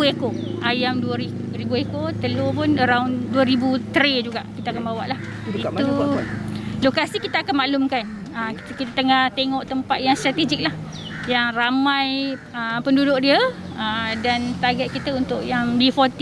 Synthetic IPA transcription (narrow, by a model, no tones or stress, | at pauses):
uekoajamduəɾik | ɾibuekot̪əlopʊnəɾaunduəɾibut̪ɾed͡ʒuɡaʔkit̪akanbawa̰ʔlah | it̪u | lokasikit̪aakanmaʔlumkan | ək | kit̪at̪əŋaht̪eŋɔʔt̪əmpat̪̚jaŋst̪ɾat̪ed͡ʒik̚lah | jaŋramaj | əpəndudʊk̚diə | ədant̪aɡaʔ̪̚kit̪əunt̪ʊʔjaŋbifɔt̪i